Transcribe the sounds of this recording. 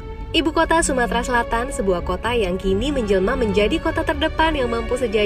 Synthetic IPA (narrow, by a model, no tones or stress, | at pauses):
ʔibukot̪asumat̪ɾasəlat̪ansəbuahkot̪ajaŋkiniməɲd͡ʒəlmaməɲd͡ʒadikot̪at̪ərdəpanjaŋmampusəd͡ʒa